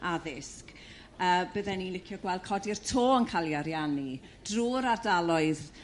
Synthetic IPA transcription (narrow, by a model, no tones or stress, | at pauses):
aðɪsk | əːbəðɛnilɪkʰjɔɡwɛlˠd̥̚kʰɔdir̥tʰoːənkʰalˠjaɾjani | d̥ruːɾardalˠɔɨð